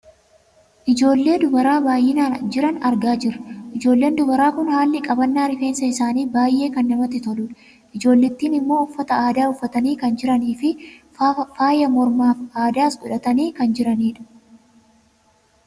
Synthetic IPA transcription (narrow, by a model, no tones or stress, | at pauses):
ʔɪd͡ʒo̞ːlːe̞ːd̪ʊbɐɾaːbaːjːɪnaːnd͡ʒɪɾɐnɐɾɡaːd͡ʒɪɾɐʔɪd͡ʒo̞ːlːe̞ːnd̪ʊbɐɾaːkʊnhaːlːɪkʼɐbɐnːaːɾɪfe̞ːnsɐɪsaːniːbaːjʔe̞ːkɐnːɐmɐt̪ːɪt̪ɔluːᶑɐ̥ | ʔɪd͡ʒo̞ːlːɪt̪ːiːnɪmːo̞ːʊfːɐt̪ɐaːd̪aːʊfːɐt̪ɐniːkɐnd͡ʒɪɾɐniːfɪ | faːjɐmɔɾmaːfaːd̪aːsɡʊᶑɐt̪ɐniːkɐnd͡ʒɪɾɐniːᶑɐ̥